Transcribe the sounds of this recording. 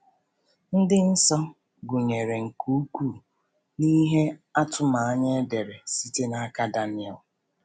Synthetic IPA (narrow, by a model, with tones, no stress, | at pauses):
n̩˦dɪ˦n̩˦sɔ˦ | ɡʊ˨ɲe˨ɾe˨ŋ̩˨ku˦ku˦˨ | ni˦ɦe˦a˦tʊ˦ma˨a˦ɲe˦de˨ɾe˨si˦te˦na˦ka˦da˦nɪ˦˨ɛ˨l